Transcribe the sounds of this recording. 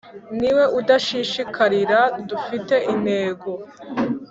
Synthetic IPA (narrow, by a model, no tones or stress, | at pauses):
niwe̞ʔudaʃiʃikʰaɾiɾadufite̞ʔine̞ːɡo̞